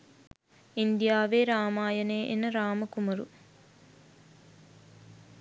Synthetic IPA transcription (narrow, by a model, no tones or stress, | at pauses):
ind̪jaːʋeːɾaːmaːjɐneːʔenɐɾaːmɐkumɐɾṵ